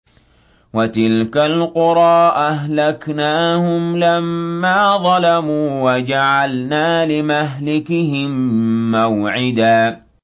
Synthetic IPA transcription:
wat̪ɪlkalqʊɾˤɑːʔaɦlaknaːhʊmlamːaːðˤɑlamuːwad͡ʒaʕalnaːlɪmaɦlɪkɪhɪmːawʕɪd̪aː

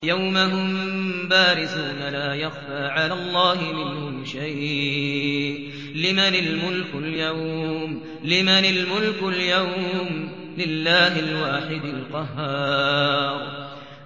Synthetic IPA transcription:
jawmaɦʊmbaːɾɪsuːnalaːjaxfaːʕalaːlˤːɑːhɪmɪnhʊmʃaj | ʔ | lɪmanɪlmʊlkʊljawm | lɪmanɪlmʊlkʊljawm | lɪlːaːɦɪlwaːħɪd̪alqɑɦːɑːɾˤ

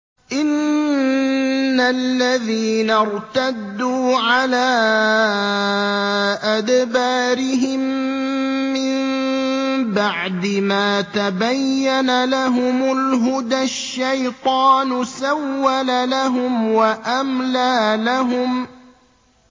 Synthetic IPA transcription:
ʔɪn | alːaðiːnaɾˤt̪ad̪ːuːʕalaː | ʔad̪baːɾɪɦɪmː | ɪm | baʕd̪ɪmaːt̪abajːanalaɦʊmʊlɦʊd̪aʃːajt̪ˤɑːnʊsawːalalaɦʊmwaʔamlaːlaɦʊm

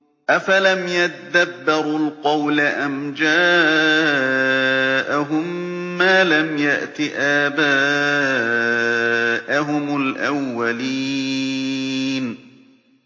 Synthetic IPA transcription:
ʔafalamjat̪ad̪abːɪɾʊlqɑwlaʔamd͡ʒaː | ʔaɦʊmːaːlamjaʔt̪ɪʔaːbaː | ʔaɦʊmʊlʔawːaliː | n

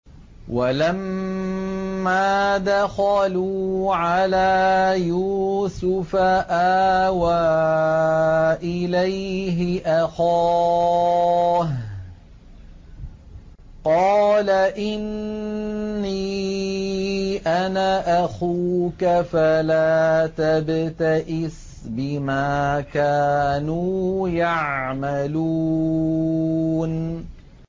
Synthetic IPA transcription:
walam | aːd̪axaluːʕalaːjuːsʊfaʔaːwaː | ʔɪlajɦɪʔaxa | h | qɑːlaʔɪnː | i | ʔanaʔaxuːkafalaːt̪abt̪aʔɪs | bɪmaːkaːnuːjaʕmaluː | n

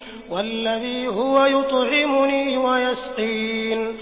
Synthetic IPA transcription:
walːaðiːɦʊwajʊt̪ˤʕɪmʊniːwajɑsqiːn

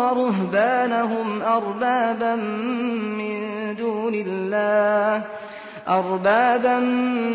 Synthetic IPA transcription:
ɑɾˤʊɦbaːnaɦʊmʔɑɾˤbaːbamː | ɪnd̪uːnɪlːaː | ʔɑɾˤbaːban

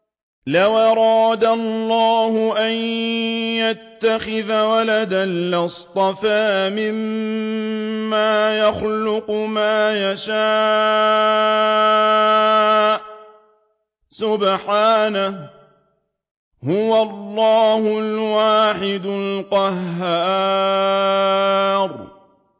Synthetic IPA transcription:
lawʔɑɾˤɑːd̪alˤːɑːhʊʔanjat̪ːaxɪðawalad̪alʔɪst̪ˤɑfaːmɪm | aːjaxlʊqʊmaːjaʃaː | ʔ | sʊbħaːnah | hʊwalˤːɑːhʊlwaːħɪd̪ʊlqɑɦːaː | ɾˤ

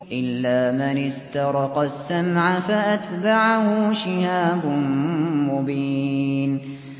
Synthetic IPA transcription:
ʔɪlːaːmɪnɪst̪ɑɾˤɑqɑsːamʕafaʔat̪baʕahʊʃɪhaːbʊmʊbiːn

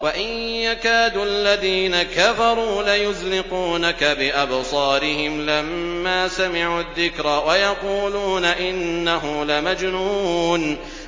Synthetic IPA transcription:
waʔɪnjakaːd̪uʔalːaðiːnakafɑɾˤuːlajʊzlɪquːnakabɪʔabsˤɑːɾɪhɪmlamːaːsamɪʕuːðːɪkɾawajɑquːluːnaʔɪnːaɦʊmlamad͡ʒnuːn

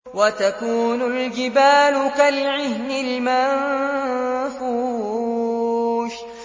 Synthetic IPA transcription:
wat̪akuːnʊld͡ʒɪbaːlʊkalʕɪhnɪlman | fuː | ʃ

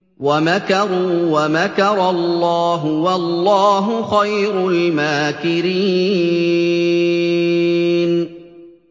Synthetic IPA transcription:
wamakɑɾˤuːwamakɑɾˤɑlˤːɑːɦʊwalːɑːɦʊxajɾʊlmaːkɪɾi | n

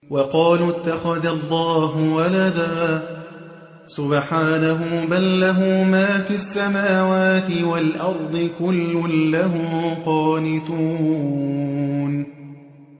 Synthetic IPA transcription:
wɑqɑːlʊt̪ːaxaðalˤːɑːɦʊwalad̪aː | sʊbħaːnaɦʊːbalːaɦʊːmaːfiasːamaːwaːt̪ɪwalʔɑɾˤd̪ˤɨkʊlːʊlaɦʊmqɑːnɪt̪uː | n

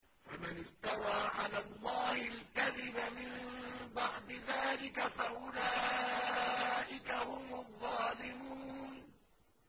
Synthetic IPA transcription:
famanɪft̪ɑɾˤaːʕalaːlˤːɑːhalkaðɪbamɪmbaʕd̪ɪðaːlɪkafaʔʊla | ʔɪkahʊmɑðˤːɑːlɪmuːn

